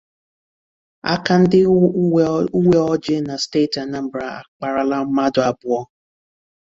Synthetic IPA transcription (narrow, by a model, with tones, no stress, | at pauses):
a̰˦ka˦n̩˦dɪ˦ | u˦we˦ɔ˦d͡ʒɪ˦na˨ste˦˨ta˨na˦˨m̩˨bɾa˨a̰˨k͡pa˨ɾa˨la˦ma˦dʊ˨a˨bʊ˦˨ɔ˦